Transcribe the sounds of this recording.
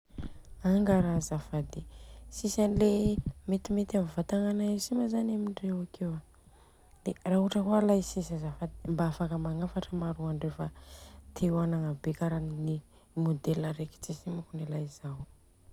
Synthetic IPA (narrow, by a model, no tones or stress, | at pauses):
aŋɡaɾazafad̪esisanilemet̪imet̪amivat̪aŋanaisiməzanamiɳɖ͡ʐewakewa | d̪̥erauʈ͡ʂəɦualajsisazafad̪embaafakəmaŋafaʈ͡ʂəmaɾuaɳɖ͡ʐefat̪ʰiwanaŋabekaɾanini | mod̪elaɾeki̥t͡sisimakunilajzaw